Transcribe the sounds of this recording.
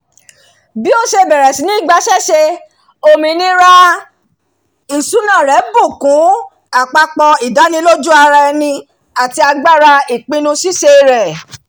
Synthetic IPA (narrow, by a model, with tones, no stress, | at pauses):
bi˦o˦ʃe˧bɛ˨ɾɛ˨sĩ˨˦nĩ˦˨ɡ͡ba˧ʃɛ˦ʃe˧ | o˧˨mĩ˧˦nĩ˦ɾa˦ | i˦˨su˨˦nã˦˨ɾɛ˨˦bu˦˨kũ˨˦ | a˦˨k͡pa˧k͡pɔ˧i˨da˨˦nĩ˧˦lo˦d͡ʒu˦a˧ɾa˧ɛ˧nĩ˧ | a˨ti˧a˧ɡ͡ba˦ɾa˧i˨k͡pĩ˧nũ˧si˦ʃe˧ɾɛ˨